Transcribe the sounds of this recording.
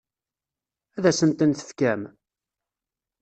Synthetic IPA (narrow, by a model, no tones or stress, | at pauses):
æðæsənt̪ənθə̥fkæm